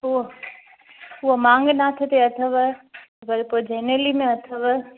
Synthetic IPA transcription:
ɦu | ʊɦomãːŋɡnat̪ʰet̪eɐt̪ʰəʋ | bɐɾpoːd͡ʑeːnelimẽɐt̪ʰəʋə

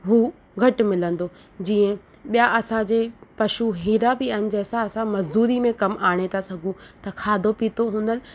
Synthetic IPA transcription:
ɦuː | ɡʱɐʈ̆mɪlə̃nd̪o | d͡ʑiːə̃ | ɓijaʔɐsãd͡ʑeːpɐʃuɦiːɾabɪɐɦɪnɪ̆d͡ʑɐɦɪsãɐsãmɐzd̪uːɾimẽkɐmʔaːɽ̃et̪ʰasɐɡʱũt̪ɐkʰaːd̪ʱopiːt̪oɦũːnd̪ənɪ̆

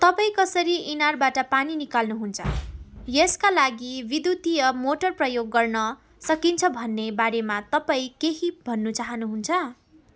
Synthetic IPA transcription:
t̪ʌpaĩkʌsʌɾiʔinarbaʈʌpaninikalnuɦunt͡sʰʌ̰jeskalaɡibid̪jut̪ijʌmoʈʌrprʌjoɡːʌrnʌ | sʌkint͡sʰʌbʱʌnːebaɾemat̪ʌpaĩkeɦibʱʌnːut͡saɦʌnuɦunt͡sʰʌ

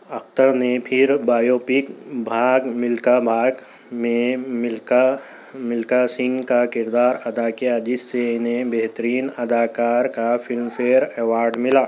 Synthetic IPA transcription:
ɐxt̪əɾnepʰɪɾbaːjoːpɪkbʱaːɡmɪlkabʱaːɡ | mẽmɪlka | mɪlkasɪ̃ŋɡkakɪɾd̪aːɾɐd̪aːkijad͡ʒɪsːeɪnɦẽbeɦt̪əɾiːnɐd̪aːkaːɾkafɪlmfeːɾɛːʋaːɾɖmɪlaː

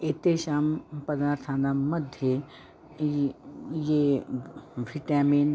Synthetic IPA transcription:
et̪eʃampɐd̪aːɾt̪ʰanamɐd̪ʱje | je | ʋʱiʈaːmiːn

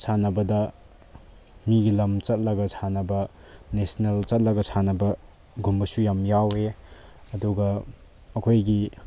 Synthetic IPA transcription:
sʰanɐbɐdɐ | miɡilɐmt͡ʃɐt̚lɐɡɐsʰanɐbɐ | nesnelt͡ʃɐt̚lɐɡɐsʰanɐbɐ | ɡumbɐsujamjawe | ɐduɡɐ | ɐkʰojɡi

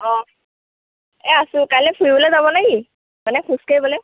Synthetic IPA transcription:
ɔ̃ | ɛasʊ̃kajlɛpʰuibolezaβɔnajɡi | manɛkʰuskajbɔlɛ

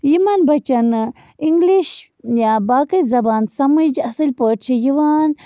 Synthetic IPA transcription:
jimanbɐt͡ʃɐn | iŋɡliʃ | jabaːkɐjzɐbaːnsɐmɐd͡ʒɐsɨlʲpəʈ̚t͡ʃʰijiʋaːn

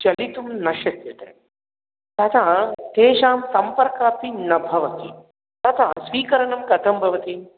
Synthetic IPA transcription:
t͡ʃɐlit̪umnɐʃɐsjɐt̪ḛː | t̪ɐt̪ʰat̪eːʃaːmsɐmpɐɾkaːpinɐbʱɐʋɐt̪i | t̪ɐt̪ʰaːsʋiːkɐɾɐɳɐmkɐt̪ʰɐmbʱɐʋɐt̪i

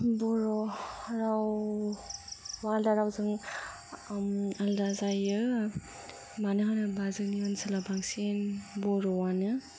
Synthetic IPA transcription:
bɔɾɔɾaw | waldaɾawzɯŋ | aldazajɯ | manɯɦanɯbazɯkniansalabaŋsenbɔɾɔwanɯ

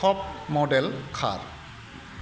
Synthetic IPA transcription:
ɔp̚mɔɖɛlkʰa̰ɾ

